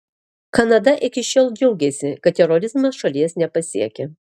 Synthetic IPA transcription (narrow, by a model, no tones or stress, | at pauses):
kɐnɐd̪ɐʔɪkʲɪʃʲoːlˠd͡ʒʲɛʊɡʲɛsʲɪkɐt̪̚t̪ʲɛɾɔɾʲɪzmɐʃɐlʲiɛsnʲɛpɐsʲḭɛkʲɛ